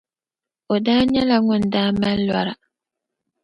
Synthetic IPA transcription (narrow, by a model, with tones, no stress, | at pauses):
o˨daː˦ɲɛ˦la˨ŋʊ˨n˨daː˦ma˦llwa˨ɾa˨